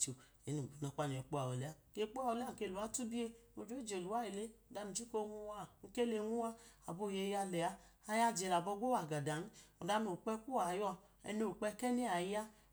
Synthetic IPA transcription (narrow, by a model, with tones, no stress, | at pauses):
o˨ | e˨˦nu˨u˨na˨˧˨k͡pa˦n˨ɔ˨k͡po˦a˨o˨le˨˦a˦˨ke˧˦k͡po˦a˦˨wo˧le˦a˦˨ke˧˨lu˨a˦tu˦bi˦e˦o˧d͡ʒo˦e˦d͡ʒe˨lu˨wa˨˦i˨le˦o˨da˨˧nu˨t͡ʃi˦ko˦˧ŋu˧wa˦˨ŋ̩˦ke˦le˧˦ŋu˦wa˦a˨bo˦˧˨je˧˦ja˧lɛ˨a˧a˧ja˦d͡ʒe˨˧˨la˨bɔ˧˦ɡo˦wa˨ɡa˨da˨n̩˦o˨da˧no˨k͡pɛ˦ku˦a˨jɔ˧ | ɛ̰˧no˦˨k͡pɛ˧˦kɛ˦ni˦a˨˦ja˦